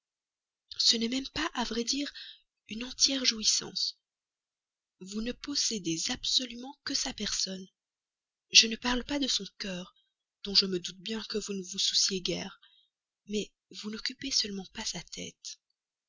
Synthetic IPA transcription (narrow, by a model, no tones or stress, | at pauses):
sənɛmɛmpaʔavʁɛd̪iːʁ | ynɑ̃t̪jɛʁʒuisɑ̰̃s | vunəpɔsed̪ezabsɔlymɑ̃kəsapɛʁsɔn | ʒənəpaʁlpad̪əsɔ̃kœːʁ | d̪̥ɔ̃ʒəməd̪ut̪̚bjɛ̃kəvunəvususjeɡʲɛ̰ːʁ | mɛ | vunɔkʲypesəlmɑ̃pasat̪ʰɛ̰ːt̪